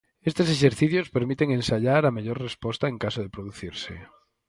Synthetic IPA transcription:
est̪eseʃ̬eɾθiθjospeɾmit̪eŋẽnsaʎaɾameʎoɾrespost̪aeŋkasoðepɾoðuθiɾsḛ

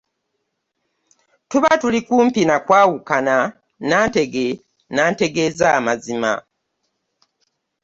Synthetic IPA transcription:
tuβatulikuːmpinakwaːwukana | naːnte̞ɡe | naːnte̞ɡe̞ːzaːmazima̰

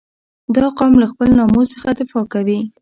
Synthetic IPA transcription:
d̪ɑqɑmlaxpəlnɑmosəxad̪ɪfɑkawi

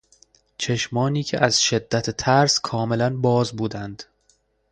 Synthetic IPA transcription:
t͡ʃʰe̞ʃmɒːniːcʰeʔæzʃe̞d̪ːæt̪ʰet̪ʰæɾskʰɒːme̞lænbɒːzbuːd̪ænd̪̥

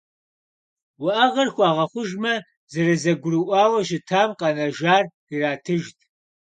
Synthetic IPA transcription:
wɐʔɐʁɐrxʷɑːʁɐχʷʊʒmɐ | zɐrɐzɐɡʷʊrɨʔʷɑːwɐʃɪtʰaːmqɐnɐʒaːr | iraːtʰɨʒtʰ

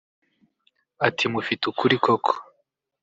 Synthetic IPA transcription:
atʰimufitukuɾikokʰo̥

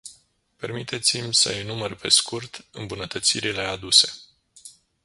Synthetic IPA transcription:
pe̞rmit̪e̞t̪simʲsə̰jinumərpe̞skurt̪ɨmbunət̪ət̪siɾile̞ad̪use̞

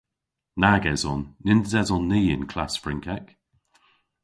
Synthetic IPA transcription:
naɡɛzɔnːɪnd̪əzɛzɔnːiːɪ̰̃nkʰl̥asfɹɪ̃ŋkʰɛk

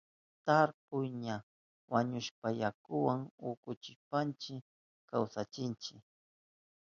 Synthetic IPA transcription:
t̪aɾpʊjɲa | waɲʊʃpajakʊwaŋʊkʊt͡ʃɪʃpant͡ʃɪ | kawsat͡ʃɪnt͡ʃɪk

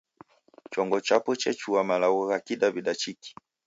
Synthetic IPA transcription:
t͡ʃɔŋɡɔt͡ʃapɔt͡ʃɛt͡ʃuamalawɔɣakidabiɗat͡ʃiki̥

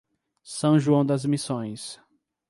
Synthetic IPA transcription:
sɐ̃w̃ʒuɐ̃w̃d̪ɐzmisõj̃s

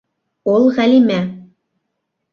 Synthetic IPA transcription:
olˠʁælʲimæ

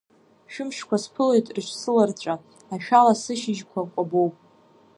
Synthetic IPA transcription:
ʃᶣʊmʃkʷʰaspʰɨlojtʼrʃʷsɨlart͡ɕʷʼa | aʃᶣalasɨʃɪʒkʷʰakʷʼabowpʼ

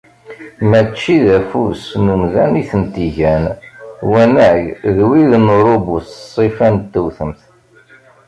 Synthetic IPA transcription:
mæt͡ʃːiðæfusnumðæniθənt̪iʝænwænæʝðwiðnɾˤobussˤːifænt̪ːəwθəmθ

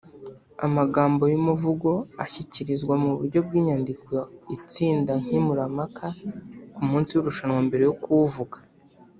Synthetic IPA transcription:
a̰maɡaːmbo̞jumuvuɡo̞açiciɾizɡwamuβuɾɟo̞b̚ɡiːɲandikʰoit͡siːndaŋ̥himuɾamakʰakumuːnt͡sijuɾuʃanwambe̞ɾe̞jokuvuɡḁ

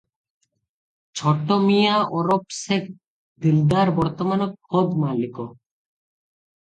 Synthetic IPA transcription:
t͡ɕʰɔʈːomijaʔɔɾopsek̚ | d̪ild̪aɾbɔɾt̪omanokkʰod̪maliko

